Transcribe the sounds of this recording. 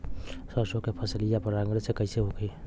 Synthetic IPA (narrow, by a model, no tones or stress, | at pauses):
səsõkepʰəslijapəɾaŋɡɾesekəɪseɦokʰe